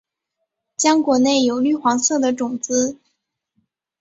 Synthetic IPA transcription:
t͡ɕjɑ˥ŋkwɔ˧˥ne˥˩ɪjo˨˩ʊly˥˩xwɑ˧˥ŋsɤ˥˩d̪ə˦ʈ͡ʂʊ˨˩ŋt͡sɹ̩˥

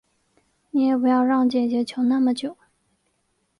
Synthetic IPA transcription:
ni˧˥jɛ˨˩pu˧˥jɑ˥˧ʊɻɑ˥˩ŋt͡ɕjɛ˨˩t͡ɕɥɛ˧˥t͡ɕʰo˧˥ʊna˥˨mə˨t͡ɕjo˨˩˦ʊ

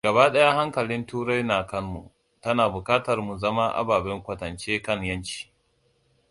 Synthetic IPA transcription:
ɡɐ˨baː˦ɗɐ˦jaː˦ha˦ŋkɐ˨lɪ˦ntuː˦ɾa˦jnaː˨kɐ˦nːṵ˨ | tɐ˦naː˨bʊ˨kaː˦tɐ˨rmu˨zɐ˦ma˦ʔa̰˦baː˨bɛ˦ŋkʷɐ˨tɐ˨nt͡ʃeː˦kɐ˦˨ŋjɐ˦nt͡ʃi̥ː˨

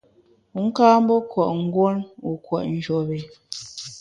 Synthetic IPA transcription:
u˨ŋ̩˦kaː˦m̩˦bɔ˦kwɔ˨ʔŋ̩˦ɡwo˦nu˨kwɔ˨ʔn̩˦d͡ʒɔ˨be˨

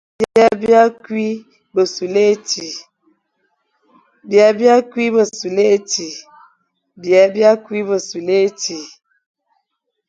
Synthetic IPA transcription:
bja˦bja˦kwi˦ | bə˨su˨le˦ti˨ | bja˦bja˦ki˦bə˨su˨le˦˨˦ti˨ | bjɛ˨˦bja˦kwi˦bə˨su˨le˦ti˨

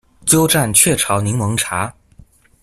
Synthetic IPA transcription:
t͡ɕjo˥ʊʈ͡ʂa˥˩nt͡ɕʰɥɛ˥˩ʈ͡ʂʰɑ˧˥ʊni˧˥ŋmɤ˧˥ŋʈ͡ʂʰa˧˥

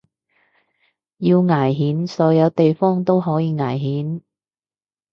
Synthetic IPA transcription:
jiː˧wŋaː˨˩jɦiː˨˥nsɔː˨˥jɐ˨˧wt̪e˨jfɔː˥ŋt̪o˥wɦɔː˨˥jiː˧ŋaː˨˩jɦiː˨˥n

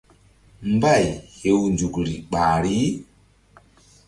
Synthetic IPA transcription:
mba˦˨jhe˨wnd͡ʒu˨kɾi˨ɓa˨ɾi˦

